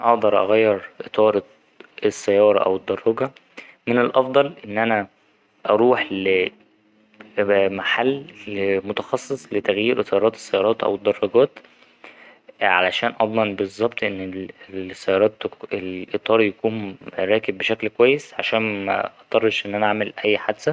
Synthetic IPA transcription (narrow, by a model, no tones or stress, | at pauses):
ʔɑʔd̪ɑɾˤʔɑ̰ɣæjːeɾʔet̪ˤɑːɾˤ | esːæjːɑːɾˤɑʔæ̰wed̪ːɑrˤːɑɡɑ | menelʔɑfd̪ˤɑlʔenːʔænæ | ʔɑɾˤuːħle | maħalːmot̪ɑxɑsˤːesˤlet̪æɣjiːɾʔet̪ˤɑːɾˤɑːt̪e̥sːæjːɑːɾˤɑːt̪ʔæ̰wed̪ˤːɑrˤːɑɡæːt̪ | ʕa̰læʃæːnʔɑd̪ˤmɑnbezˤːɑb̚t̪ˤʔenːesːæjːɑːɾˤɑːt̪elʔet̪ˤɑːɾˤjækuːnɾˤɑːkebːeʃæklkowæjːesʕaʃæːnmæ̰ʔɑt̪ˤɑrˤːɑʃʔenːʔænæʕamelʔæjːħad̪sæ